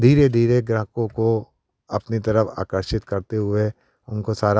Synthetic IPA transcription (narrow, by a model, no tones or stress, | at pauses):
d̪ʱiːɾed̪ʱiːɾeɡɾəɦkõko | ɐpnit̪ɐɾəfa̰ːkəɾʃɪt̪kɐɾt̪eɦʊe | ʊnkosaːɾa